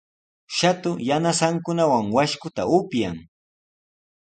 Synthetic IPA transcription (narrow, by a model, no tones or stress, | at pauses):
ʃat̪ʊjanasaŋkʊnawaŋwaʃkʊt̪aʊpjaŋ